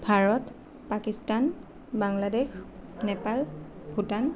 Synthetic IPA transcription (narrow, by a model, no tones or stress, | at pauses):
bʱaɹɔt | pakistan | baŋladexnɛpal | bʱutan